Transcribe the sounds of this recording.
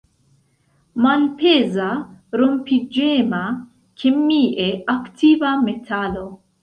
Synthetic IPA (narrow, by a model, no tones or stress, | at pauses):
malpezaɾompid͡ʒema | kʰemiʔeaktʰivametʰalo